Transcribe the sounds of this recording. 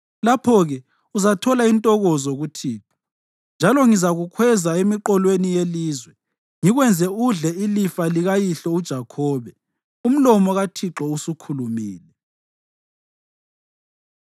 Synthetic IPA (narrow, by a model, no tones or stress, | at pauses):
lapʰɔɣɛ | uzatʰɔlaintʼɔɣɔzoɣutʰiːǁɔ̥ | nd͡ʒʱalɔŋizaɣukʰwɛzaemiǃɔlwenijeliːzwɛ | ŋiɣwɛnd͡zʱɛuɮɛilifaliɣajiɬɔud̥ʒ̥ʱakʰɔːβɛ | um̩lɔmɔɣatʰiǁɔusukʰulumiːlɛ